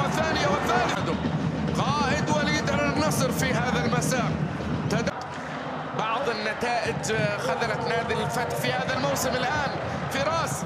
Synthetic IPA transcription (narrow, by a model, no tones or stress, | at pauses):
ɪθːaːnɪjawɪθːaːlɪħad̪ʊqɑːʔɪd̪waliːd̪aɾnːɑsˤɾfiɦaːðalmasaːq | t̪ad̪a | bɑʕðˤɪnːat̪aːʔɪd͡ʒxaðalat̪nhaːd̪ɪlɪfat̪ħfihaːðalmawsɪmɪlʔaːn | fiɾˤɑːs